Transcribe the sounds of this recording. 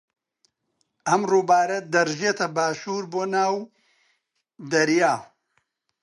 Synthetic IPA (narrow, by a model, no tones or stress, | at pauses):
ɐmruːbaːɾɐd̪ɐɾʒet̪ʰɐbaːʃuːɾboːnaːw | d̪ɐɾjaː